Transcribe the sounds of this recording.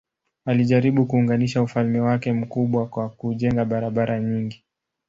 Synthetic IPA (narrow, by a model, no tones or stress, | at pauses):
aliʄaɾiɓukuːŋɡaniʃaufalmɛwakɛm̩kuɓwakwakuʄɛŋɡaɓaɾaɓaɾaɲiŋɡi